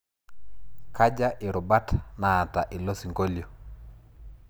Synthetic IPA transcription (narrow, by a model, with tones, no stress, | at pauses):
kʰa˦d͡ʒa˦ʔɪ˨ɾʊ˨ba˦tnaː˨ta˨ʔɪ˨lo˦si˨ŋɡo˦ljo˨